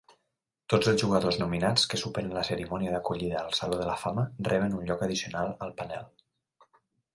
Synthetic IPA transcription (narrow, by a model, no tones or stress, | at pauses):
t̪od͡zəlˠzʒuɣəðoznuminat͡skəsupenənləsəɾimɔniəðəkuʎiðəːlˠsəloðələfamərʔɛβənunʎɔkəðisiunalˠəlˠpənɛ̰lˠ